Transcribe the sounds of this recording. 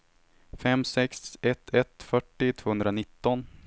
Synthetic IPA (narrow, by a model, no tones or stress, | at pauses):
fɛmːsɛksɛt̪ʰɛt̪fœʈːɪt̪ʰvoːɵnd̪ɾanɪt̪ːɔn